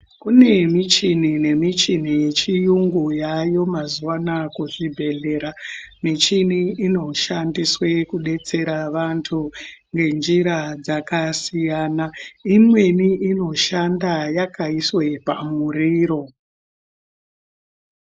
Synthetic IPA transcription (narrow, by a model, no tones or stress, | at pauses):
kune̞mit͡ʃinine̞mit͡ʃin̤ijet͡ʃijuŋɡujajo̞mazuʋanakuʐibʱe̞ɮe̞ɾamit͡ʃiniːno̞ʃandiswe̞kuɗe̞t͡se̞ɾaʋantʰuŋɡe̞nd͡ʒiɾad͡zakasijaːnaimwe̞niino̞ʃandajakaiswe̞pamuɾiːɾo̞